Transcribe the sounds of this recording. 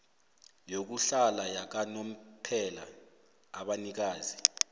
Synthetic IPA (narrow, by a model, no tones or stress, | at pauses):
jok̬uɬalajak̬anom̩pʰɛlaː | ɓanik̬aːzi